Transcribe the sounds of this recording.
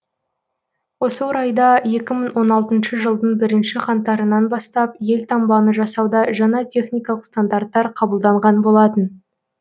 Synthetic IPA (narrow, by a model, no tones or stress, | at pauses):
wo̞səwoɾɑjd̪ɑje̞kʲɪməɴwo̞nɑlˠt̪ənʃəʒəlˠd̪ənbɪɾɪnʃɪqʰɑnt̪ːɑɾənɑnbɑst̪ɑp̚je̞lt̪ʰɑmbɑnəʒɑsɑwd̪ɑʒɑnɑt̪ʲʰe̞χnijkɑlˠəqst̪and̪art̪ːɑɾqʰɑbəlˠd̪ɑɴʁɑnbo̞lˠɑt̪ən